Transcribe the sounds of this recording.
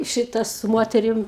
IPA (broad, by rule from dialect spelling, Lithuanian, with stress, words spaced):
ˈʃʲɪtɐ sʊ ˈmoːtʲɛrʲɪm